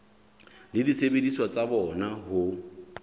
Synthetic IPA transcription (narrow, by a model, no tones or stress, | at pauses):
lɪdisebedisɔt͡sʼabɔnaɦʊ